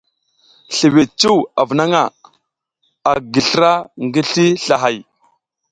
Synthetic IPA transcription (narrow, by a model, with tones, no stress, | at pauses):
ɬi˨wi˨t͡ʃu˦wa˨vna˦ŋa˦˨ | a˨ɡi˨ɬə˦ɾa˦ŋɡi˦ɬi˦ɬa˨ɦa˨j